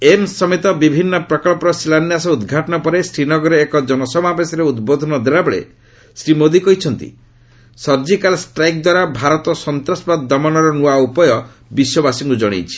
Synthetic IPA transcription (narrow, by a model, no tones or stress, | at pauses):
emsɔmit̪ɔbibʱinːɔpɾɔkɔlpɔɾɔsilanjasɔud̪ɡʱaʈɔñɔpɔɾesɾinɔɡɔɾeːkɔd͡ʒɔnɔsɔmabesɔɾeud̪bod̪ʱɔnɔd̪eɾabɔɭḛ | sɾimod̪ikɔɦjt͡ʃʰɔnt̪ḭ | sɔɾd͡ʒikalsʈɾajk̚d̪waɾabʱaɾɔt̪ɔsɔnt̪ɾɔsbad̪d̪ɔmɔnɔɾɔnuaupɔjɔ | biswɔbasiŋkud͡ʒɔɽ̃ḛjt͡ʃʰi̥